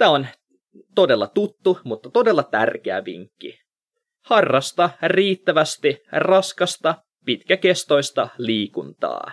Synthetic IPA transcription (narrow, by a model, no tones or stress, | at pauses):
t̪æːon | t̪o̞de̞lːɑt̪ut̪ːumut̪ːɑt̪o̞delːɑt̪ærk̟eæ̰ʋḭŋkːḭ | hɑrːɑst̪ɑriːt̪ːæʋæst̪irɑskɑst̪ɑ | pit̪k̟æke̞st̪o̞jst̪ɑliːkunt̪ɑ̰ː